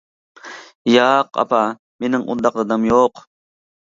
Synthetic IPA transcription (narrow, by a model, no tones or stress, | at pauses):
jɑqɑ̰pɑ | menɪŋṵd̪ːɑqd̪ɑd̪ɑmjoq